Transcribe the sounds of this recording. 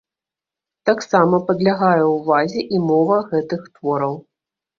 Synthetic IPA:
t̪aksamɐpɐd̪lʲaɣajɛwvazʲiʔimɔvɐɣɛt̪ɨxt̪vɔɾɐw

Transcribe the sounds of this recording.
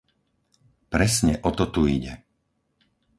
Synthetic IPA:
pɾɛsɲɛʔɔt̪ɔt̪uiɟɛ

